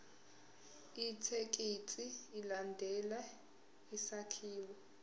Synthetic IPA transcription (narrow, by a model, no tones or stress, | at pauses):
it͡sʰek̬ʼit͡sʼiːlandʱɛla | isakʰiːwɔ